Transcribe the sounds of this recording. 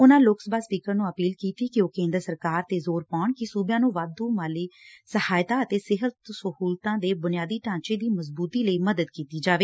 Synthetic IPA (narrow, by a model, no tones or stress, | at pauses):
ʊnãːlʊksbaːspiːkəɾnũːəpiːlkiːt̪iːkɪoːkẽːnd̪əɾsəɾkaːɾt̪eːzoːɾpaːɳkɪsuːbjãːnũːʋaːd̪uːmaːliːsəhaːjt̪aːət̪eːsɪɦət̪səɦuːlt̪ãːd̪eːbʊnɪjaːd̪iːʈãːt͡ʃeːd̪iːməzbuːt̪iːləiːməd̪əd̪kiːt̪iːd͡ʒaːʋeː